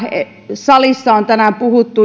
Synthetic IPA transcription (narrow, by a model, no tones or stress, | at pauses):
e | sɑlisːɑont̪ænæmpuhut̪ːu